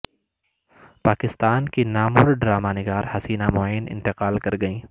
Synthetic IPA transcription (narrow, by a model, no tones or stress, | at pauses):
paːkɪst̪aːnkinaːmʊɾɖɾaːmaːnɪɡaːɾhɐsiːnamoajnɪ̰̃nt̪ɪqaːlkɐɾɡɐĩː